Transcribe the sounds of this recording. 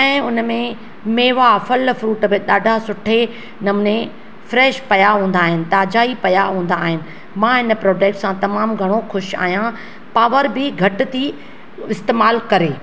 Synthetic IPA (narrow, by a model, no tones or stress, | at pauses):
ɛ̃ːʊnmẽ | meːʋafʊlfɾuːʈbɪɗaːɖʱasʊʈʰe | nɐmne | fɾɛːʃpɐjaɦũːn̆d̪aːɦɪnɪ̆t̪aːd͡ʑaːipɐjaɦũːnd̪aːɦɪnɪ̆ | mãɦɪnpɾɔːɖeːk̚ʈsãt̪ɐmaːmɡʱɐɽ̃oxʊʃa̰ːɦijã | paːʋəɾbɪɡʱɐʈt̪ʰi | ɪst̪eːmaːlkɐɾeː